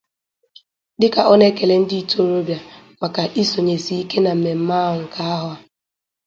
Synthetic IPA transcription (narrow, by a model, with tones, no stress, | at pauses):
dɪ˦ka˨ʔɔ˦ne˦ke˨le˨n̩˦dɪ˦i˦˨to˦˨ɾo˦bja˨ | mʷa˨ka˨ʔi˦so˨ɲe˨si˦i˦ke˦na˨m̩˨me˨m̩˦ma˦ɦʊ˨ŋ̩˨kʰa˦a˦ɦʊ˨a˨